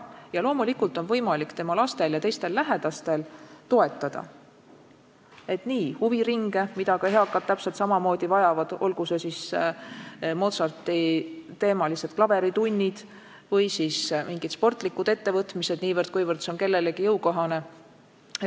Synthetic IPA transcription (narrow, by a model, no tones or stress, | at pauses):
jɑlo̞ːmulikult̪ˑo̞nvɤjmɑlikt̪e̞mɑlɑst̪e̞ljɑt̪e̞jst̪e̞lːæɦed̪̥ɑst̪e̞lt̪o̞e̞t̪ːˑɑd̪̥ɑ̰ | e̞t̪niːhuviɾiŋɡe̞mid̪ɑɡ̥ɑheɑkːˑɑt̪̚ːæpselt̪sɑmɑmo̞ːd̪̥ivɑjɑvɑd̪̥olɡ̥use̞sis | mo̞t̪sɑrt̪ːit̪e̞ːmɑlise̞d̪̥̚klɑve̞ɾid̪unʲːid̪̥ | vɤjsismiŋɡ̥id̪spo̞rt̪ˑlikːˑud̪̥e̞t̪ːe̞vɤt̪ˑmise̞d̪̥niːvərd̪̥̚kujvərd̪̥se̞o̞nke̞lːe̞leɡ̥ijɤwkoɦɑne̞